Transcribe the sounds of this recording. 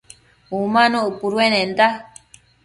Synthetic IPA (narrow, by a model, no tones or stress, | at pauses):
umãnoupuɾuenend̪a